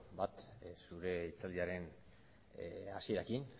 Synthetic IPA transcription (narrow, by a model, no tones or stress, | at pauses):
bat̪suɾe̞it͡sald̪iaɾe̞n | asie̞ɾakin